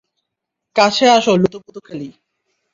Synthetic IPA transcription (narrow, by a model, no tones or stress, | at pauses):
kat͡ɕʰeaʃolut̪oput̪okʰeli